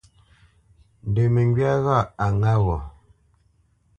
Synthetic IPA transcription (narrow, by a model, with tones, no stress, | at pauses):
n˨de˨mə˨ŋɡɥa˦ɣa˦˨a˨ŋa˦wɔ˨